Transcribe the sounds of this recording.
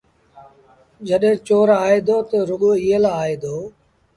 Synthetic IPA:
d͡ʒəɗɦẽːt͡ʃoːɾaːeːd̪oːt̪əɾʊɠoːielaaːɦeːd̪oː

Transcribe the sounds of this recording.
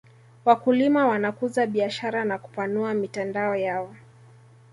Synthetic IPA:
wakulimawanakuzaɓiaʃaɾanaku̥panuamitandaɔjawɔ

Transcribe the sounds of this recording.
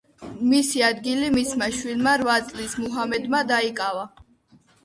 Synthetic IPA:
misiad̪ɡilimismaʃwilmaɾvat̪sʼlismuɦamɛd̪mad̪aikʼava

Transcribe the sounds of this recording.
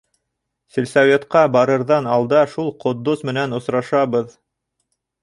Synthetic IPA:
sɘ̆lʲsævʲet̪qɑbɑɾɤ̆ɾðɑnɑlˠd̪ɑʃulˠqŏd̪ːusmɘ̆nænŏsɾɑʃɑβɤð

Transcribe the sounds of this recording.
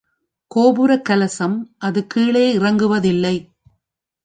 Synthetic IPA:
koːbɯɾɐkːɐlɐsɐmʔɐðɯkiːɭeːɪrɐŋɡɯʋɐðɪlːɐɪ

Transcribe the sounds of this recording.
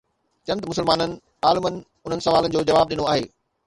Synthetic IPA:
t͡ɕɐ̃nd̪mʊsəlmaːnənɪ̆ | aːlɪmənɪ̆ | ʊn̤ənɪ̆sɐʋaːlənɪ̆d͡ʑoːd͡ʑɐʋaːb̚ɗɪnoaːɦḛː

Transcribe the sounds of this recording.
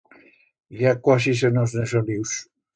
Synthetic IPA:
jakwasis̬enoznesoliws

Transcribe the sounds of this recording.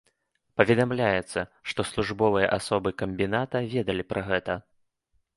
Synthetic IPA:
pɐvʲɛd̪amlʲajɛt̪sːɐʂt̪ɔslˠuʐbɔvɨjɐ̰ʔasɔbɨkɐmʲbʲinat̪ɐvʲɛd̪ɐlʲipɾʔɐɣɛt̪ɐ

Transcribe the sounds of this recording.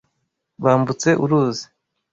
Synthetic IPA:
βaːmbut͡se̞ʔuɾuːzi̥

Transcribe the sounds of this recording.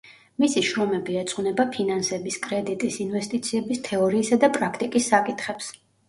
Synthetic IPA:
misiʃɾɔmɛbiɛt̪sʼqʼvnɛbapʰinansɛbiskʼɾɛd̪it̪ʼisinvɛst̪ʼit̪sʰiɛbist̪ʰɛɔɾiːsad̪apʼɾakʰt̪ʼikʼisːakʼit̪ʰχɛps

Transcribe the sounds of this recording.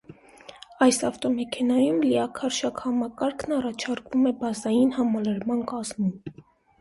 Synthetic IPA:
ɑjsɑft̪ɔmɛkʰɛnɑjumliɑkʰɑɾʃɑkhɑmɑkɑɾkʰnɑrɑt͡ʃʰɑɾkvumɛbɑzɑjinhɑmɑləɾmɑnkɑzmum

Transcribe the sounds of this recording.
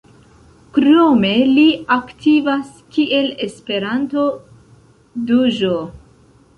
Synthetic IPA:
kɾome̞liaktʰivas | kiʔe̞le̞spe̞ɾanto̞ | duʒo

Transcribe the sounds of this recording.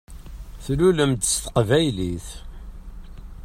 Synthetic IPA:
θluləmd̪əst̪ə̥qvæjliθ

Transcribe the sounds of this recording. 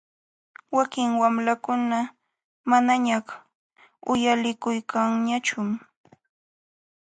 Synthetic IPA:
wakɪŋwamlakʊna | manaɲaχ | ʊjalɪkʊjkaŋɲat͡ʃʊm

